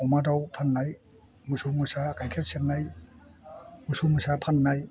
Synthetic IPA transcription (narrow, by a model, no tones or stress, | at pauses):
ɔmadawpʰanːaj | musumusakajkʰet̚senːaj | musumusapʰanːaj